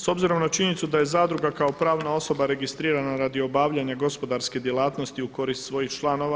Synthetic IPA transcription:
so̞bziɾo̞mnat͡ʃinit̪sud̪aje̞zaːd̪ɾuɡakao̞pɾaːʋnao̞so̞baɾe̞ɡist̪ɾiːɾanaɾaːd̪io̞baːʋʎaɲaɡo̞spo̞d̪aɾske̞d̪jelˠaːt̪nost̪iuko̞ɾist̪sʋo̞jixt͡ʃlˠaːno̞ʋa

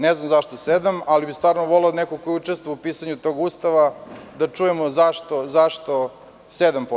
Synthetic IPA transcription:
neznamzaʃt̪osed̪amalibist̪vaːɾnoʋo̞leod̪nekokojut͡ʂest̪ʋoaupiːsaɲut̪o̞ɡust̪aʋad̪at͡ʂujemozaʃt̪o̞zaʃt̪o̞ | sed̪ampo

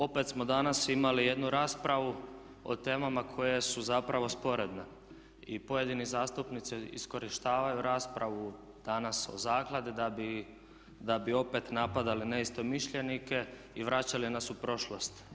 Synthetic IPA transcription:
o̞pe̞t̪smo̞d̪anasimalije̞d̪nuɾaːspɾaʋu | o̰t̪e̞ːmamakʰo̞je̞suzapɾaʋo̞spo̞ɾe̞d̪ne | ipojed̪inizaːst̪upnit̪siḭsko̞ɾiʃt̪aːʋajuɾaːspɾʔaʋu | d̪̥anaso̞̰zaːklˠad̪id̪abi | d̪abio̞pe̞t̪napad̪alineist̪o̞miʃʎe̞nike̞ | iʋɾat͡ɕalinasupɾo̞ʃlost̪

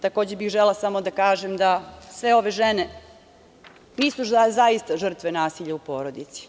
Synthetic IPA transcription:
t̪ako̞ːd͡ʑebixʒelasamod̪akaːʒemd̪asʋe̞o̞ʋe̞ʒene | niːsuazaist̪aʒr̩t̪ʋe̞naːsiʎaupo̞ːɾo̞d̪it̪si̥

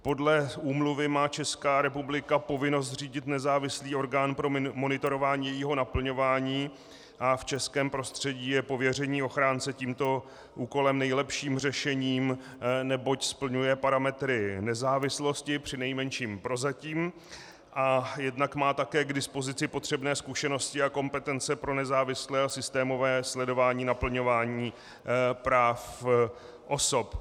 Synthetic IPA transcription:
po̞dlɛʔuːmluvɪmaːt͡ʃɛskaːɾɛpublɪkapo̞vɪno̞s̬t̪r̝iːɟɪt̪nɛzaːvɪsliːo̞ɾɡaːnpɾo̞mo̞nɪt̪oɾo̞vaːɲiːjɛjiːɦo̞napl̩ɲo̞vaːɲiː | ʔaft͡ʃɛskɛːmpɾo̞st̪r̝̥ɛɟiːjɛpo̞vjɛr̝ɛɲiːo̞xɾaːnt͡sɛciːmt̪o̞ | ʔuːko̞lɛmnɛjlɛpʃiːmr̝ɛʃɛɲiːm | nɛbo̞cspl̩ɲujɛpaɾamɛt̪ɾɪnɛzaːvɪslo̞scɪpr̝̥ɪnɛjmɛnʃiːmpɾo̞zaciːm | ʔajɛdnakmaːt̪akɛːɡdɪspo̞zɪt͡sɪpo̞t̪r̝̥ɛbnɛːskuʃɛno̞scɪako̞mpɛt̪ɛnt͡sɛpɾo̞nɛzaːvɪslɛːasɪst̪ɛːmo̞vɛːslɛdo̞vaːɲiːnapl̩ɲo̞vaːɲiː | pɾaːf | ʔo̞so̞p

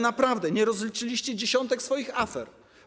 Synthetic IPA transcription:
napɾavd̪ɛɲɛɾɔzlʲit͡ʂɘlʲiɕt͡ɕɛd͡ʑeɕɔnt̪ɛksfɔjixafɛɾ

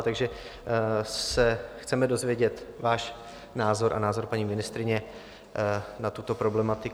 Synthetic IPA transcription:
t̪aɡʒɛ | sɛxt͡sɛmɛdo̞zvjɛɟɛt̪vaːʃ | naːzo̞ɾʔa̰naːzo̞ɾpaɲiːmɪnɪst̪ɾɪɲɛ | nat̪ut̪o̞pɾo̞blɛmat̪ɪ

